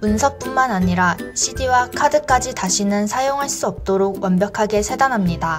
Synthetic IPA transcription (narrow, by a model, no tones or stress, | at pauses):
unsʰʌp̚p͈unmanaɲiɾaɕʰidiwakʰadɯk͈ad͡ʑitaɕʰinɯnsʰajoŋɦaɭs͈uʌp̚t͈oɾoɡwʌnbjʌkʰaɡe̞sʰedanɦamɲida